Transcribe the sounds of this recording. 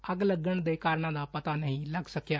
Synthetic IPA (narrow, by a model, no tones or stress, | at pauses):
əɡləɡəɳd̪ekaːɾɳãd̪apɐt̪anəɦĩlɐɡsəkjaː